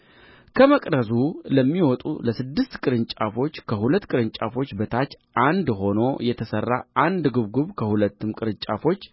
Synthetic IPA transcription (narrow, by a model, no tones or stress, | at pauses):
kʰəməkʼd̪əzuləmːiwɔt̪ʼṵləsɨd̪ːɨst̪kʼɨɾɨnt͡ʃʼafo̞t͡ʃːkʰəhulət̪ːkʼɨɾɨnt͡ʃʼafo̞t͡ʃːbət̪ʰat͡ʃː | ʔand̪ɦo̞no̞jɛt̪ʰəsərːa̰ʔand̪ɡɨβɡuβkʰəhulət̪ːɨmkʼɨɾɨɲt͡ʃʼa̰fo̞t͡ʃː